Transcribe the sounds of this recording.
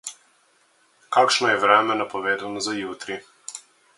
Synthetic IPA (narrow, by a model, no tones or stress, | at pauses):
kakʃnɔjɛʋɾɛːmɛnapɔʋeːd̪anɔzajuːt̪ɾi